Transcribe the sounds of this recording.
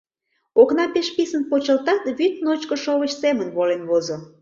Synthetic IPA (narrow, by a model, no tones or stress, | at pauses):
oknɑpeʃpisənpot͡ɕəlt̪ɑt̪βyt̪̚not͡ɕkəʃoβət͡ɕsemənβolenβozo